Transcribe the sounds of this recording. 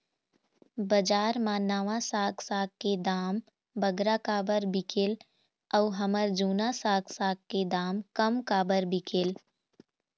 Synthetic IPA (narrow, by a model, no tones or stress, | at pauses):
bəd͡ʒaːɾmaːnaːʋãsaːksaːkːed̪aːm | bəɡɾakaːbəɾbɪkʰel | ɔɦəməɾd͡ʒuːnasaːɡsaːkked̪aːmkəmkaːbəɾbɪkʰel